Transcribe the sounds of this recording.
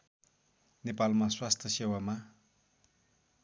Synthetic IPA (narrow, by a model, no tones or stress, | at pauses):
nepalmaswast̪ʰjʌsewama